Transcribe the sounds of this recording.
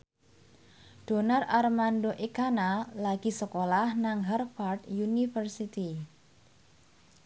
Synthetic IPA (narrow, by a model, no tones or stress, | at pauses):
d̥o̤nararmandoʔikanalaɡ̥i̤səkolahnaŋɦɛrfart̪junifərsit̪i